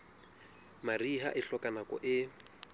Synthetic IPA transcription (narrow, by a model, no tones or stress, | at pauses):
mariɦa̰ʔɪɬɔkʼanakɔ̰ʔɪ